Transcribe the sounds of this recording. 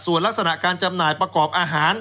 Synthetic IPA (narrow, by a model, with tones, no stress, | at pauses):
su˨˩ənla˦˥k̚sa˧na˨˩ʔkaː˧nt͡ɕa˧mnaː˨˩jpɾa˧kɔː˨˩p̚ʔaː˧ɦaː˩˦n